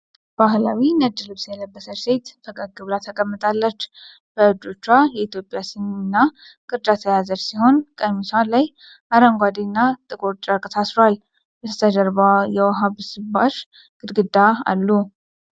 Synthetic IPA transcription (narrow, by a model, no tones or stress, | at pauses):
b̥aɦlawinəd͡ʒːɨlɨβsjɛlːəbːəsəɾset̪bəkʼəɡɨβlat̪ʰəkʼəmːɨt̪ʼalːət͡ʃː | b̥əɨd͡ʒot͡ʃːajɛit̪ʰjo̞pʼjasimnɨnːa | kʼɨɾd͡ʒ̪at̪ʰəjazəɾsiho̞nkʼəmisalaj | ʔaɾəŋɡʷad̪inːat̪ʼɨkʼoɾt͡ʃʼakʼəsʰasɾoal | bɛt̪ʰə̥t̪ʰəd̪əɾbajɛwaɦaβɨsɨbaʃ | ɡ̥ɨd̪ɡɨd̪aa̰lːu